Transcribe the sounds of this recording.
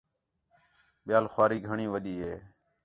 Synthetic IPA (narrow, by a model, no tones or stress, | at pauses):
ɓɪjaːlxwaːɾiːɡʱəɳĩːʋəɗiːɦeː